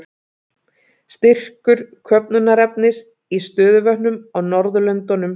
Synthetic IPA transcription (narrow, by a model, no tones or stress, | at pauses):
st̪ɪr̥kʏɾ̥kʰœp̚nʏnːaɾɛp̚nɪs | ist̪œːðʏvœhnʏmɔɣnɔɾðʏlœnt̪ɔnʏm